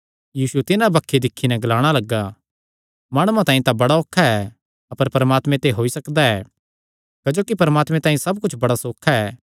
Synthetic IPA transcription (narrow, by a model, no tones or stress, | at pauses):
jiːsut̪ɪnabɐkʰːed̪ɪkʰːinɛ̃ɡɐlaːɽ̃alɐɡːa | maːɽ̃uãt̪ãːĩt̪ãbɐɽaoːkʰːaɛ | ɐpəɾpɐɾəmaːt̪mɛ̃t̪eɦoːisɐkd̪aɛː | kɐd͡ʒoːkipɐɾəmaːt̪mɛ̃t̪ãːĩsɐbkʊt͡ʃʰbɐɽasoːkʰːaɛː